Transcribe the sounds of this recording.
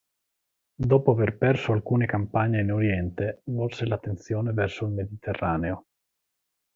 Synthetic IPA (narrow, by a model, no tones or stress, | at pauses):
d̪ɔːpoaverpɛrsoalkuːnekampaɲːeinoɾjɛnt̪evɔlselat̪ːent̪sjoːnevɛrsoilmed̪it̪ʰerːaːneo